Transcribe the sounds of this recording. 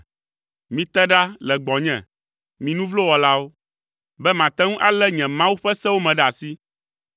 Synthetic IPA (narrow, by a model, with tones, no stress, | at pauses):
mĩ˨t̪ɛ˦ɖa˦lɛ˨ɡ͡bɔ˨ɲɛ̰̃˨ | mĩ˨nũ˦vlo˦wɔ˨la˦wo˦ | bɛ˦mã˨t̪ɛ˦ŋũ˦ʔa˦lɛ˦ɲɛ̃˨mã˦wu˦ɸɛ˦sɛ̃˦wo˦mɛ̃˨ɖa˨si˦